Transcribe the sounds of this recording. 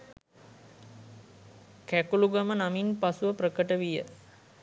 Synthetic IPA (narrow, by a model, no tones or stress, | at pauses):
kækuluɡamənaminpasuʋəprəkəʈəʋijə